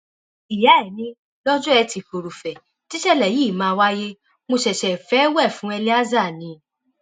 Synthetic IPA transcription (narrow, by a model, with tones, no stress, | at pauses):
i˨ja˨˦ɛ˨nĩ˧ | lɔ˦d͡ʒɔ˦ɛ˧ti˧ko˨ɾu˨fɛ˨ | ti˦ʃɛ˦˨lɛ˨jiː˦˨mãː˧˦˧wa˦je˦ | mo˧ʃɛ˨ʃɛ˨fɛ˨˦wɛ˦˨fũ˨˦ɛ˧li˦a˦za˦˨nĩ˨˧